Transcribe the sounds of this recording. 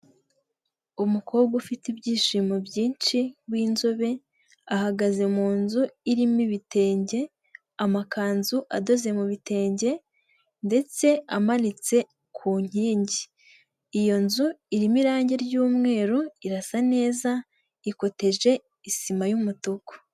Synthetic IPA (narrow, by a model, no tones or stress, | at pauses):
umuko̞ːβɡufitibɟiːʃiːmobjiːnt͡ʃiβwiːnzoβe̞ | ahaɡaze̞muːnzuiɾimiβite̞ːɲɟe̞ | amakʰaːnzuʔado̞ze̞muβite̞ːɲɟe̞ | nde̞t͡se̞amanit͡se̞ | kʰuːɲ̥iːɲɟiː | jo̞nzuiɾimiɾaːɲɟe̞ɾjuːmŋe̞ːɾoiɾasane̞ːza | iko̞te̞ʒe̞ | isimajumutoko̥